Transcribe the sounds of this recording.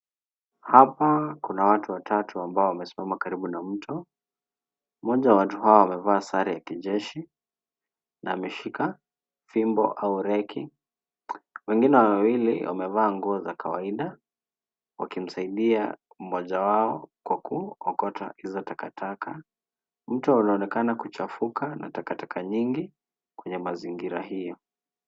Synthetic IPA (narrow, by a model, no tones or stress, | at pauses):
hapakunawatuwatʰatʰuambaɔwamɛsi̥mamakaɾiɓunam̩tʰɔ | mɔʄawawatuɦaɔwamɛvaːsaɾijakiʄɛʃi | naamɛʃika | fimbɔ̰ʔauɾɛki | wɛŋɡinɛwawilḭwa̰mɛvaːŋɡuɔzakawaiɗa | wa̰kim̩saiɗia̰ | m̩mɔʄawaɔkwakuɔkɔta̰hizɔtakatʰaka | m̩tɔunaɔnɛkanakut͡ʃafukana̰takatakʰaɲiŋɡi | kwɛɲɛmaziŋɡiɾa̰hijɔ